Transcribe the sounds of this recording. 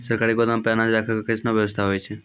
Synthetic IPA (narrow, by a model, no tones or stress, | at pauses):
səɾkaɾikod̪ãmpjanad͡ʒɾakʰəkkəsnoʋjəʋəst̪ʰaɦojt͡ʃʰe